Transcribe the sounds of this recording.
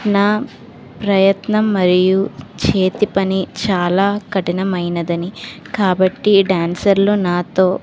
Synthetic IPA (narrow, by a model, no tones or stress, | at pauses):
naː | pɾɐjɐt̪nɐmːɐɾijut͡ʃe̞ːt̪ipɐnit͡ʃaːlaːkɐʈinɐmɐjnɐd̪ɐni | kaːbɐʈːiɖaːnsɐɾloːnaːt̪o̞ː